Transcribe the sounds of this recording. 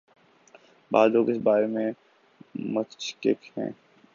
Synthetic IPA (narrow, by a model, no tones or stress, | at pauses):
ba̰ːd̪loːɡɪsbaːɾemẽ | mət̪t͡ʃkḛkhɛ̰̃ː